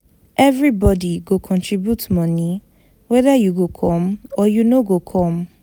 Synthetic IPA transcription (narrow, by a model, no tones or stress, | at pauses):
ʔɛvɹibɔdiɡokʰɔ̃ntʰɹibjutmɔnĩ | wɛðajuɡokʰɔ̃mɔjunoɡokʰɔ̃m